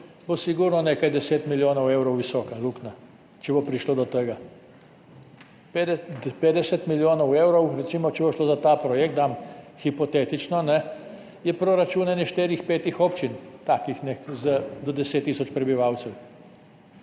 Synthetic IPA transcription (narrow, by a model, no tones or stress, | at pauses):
bosiɡuɾnɔneːkajd̪ɛseːt̪miljoːnɔwewɾɔwʋisɔːkalukna | t͡ʃɛbɔpɾiʃloːd̪ɔt̪əɡa | ppeːd̪ɛsɛt̪miljoːnɔwewɾɔwɾɛtsiːmɔt͡ʃɛbɔʃloːzat̪apɾɔjɛk̚t̪amxipɔt̪et̪it͡ʃnɔnɛ | jɛpɾɔɾat͡ʃuːnɛnjɛʃt̪eːɾixpeːt̪ixɔpt͡ʃint̪akixnɛzəd̪ɔd̪ɛseːt̪ːiːs̬ɔt͡ʃpɾɛbiʋaːwt̪sɛw